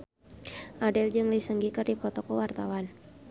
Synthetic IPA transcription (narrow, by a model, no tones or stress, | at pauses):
ʔadɛld͡ʒɨŋlisəŋɡikərdipɔt̪ɔkɔwart̪awan